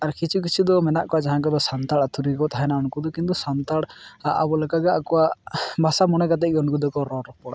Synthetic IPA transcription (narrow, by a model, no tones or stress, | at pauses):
aɾkit͡ʃʰuk̬it͡ʃʰud̪ɔmɛnaʔkɔad͡ʒaɦãkɔd̪ɔsant̪aɽat̪ʰuɾikɔt̪aɦɛnaɔɽ̃kud̪ɔkint̪usant̪aɽaʔa̰bɔlɛkaɡaakɔwabʱasamɔnɛkat̪̬ɛʔɡɔnkud̪ɔkɔɾɔɾpɔɽa̰